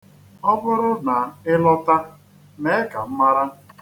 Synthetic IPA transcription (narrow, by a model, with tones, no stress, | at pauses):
ɔ˦bʊ˦ɾʊ˦na˨ɪ˦lɔ˦ta˦ | me˦ka˨m̩˦ma˦ɾa˦